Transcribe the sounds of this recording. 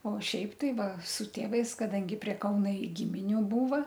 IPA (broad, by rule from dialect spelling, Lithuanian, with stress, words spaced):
oː ˈʃʲɛɪp tɐɪ ˈʋɐ sʊ ˈtʲeːʋɐɪs kɐˈdɐŋʲɡʲɪ pʲrʲiɛ ˈkɐʊnɐ ɪ ɡʲɪmʲɪˈnʲuː ˈbuːʋɐ